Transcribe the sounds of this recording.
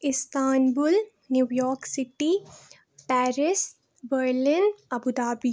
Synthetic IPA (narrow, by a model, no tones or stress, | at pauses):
ɪst̪aːnbul | njuʋjɔːɾksɪʈi | pɛːɾɪs | ʋəɾlɪnɐbud̪aːbi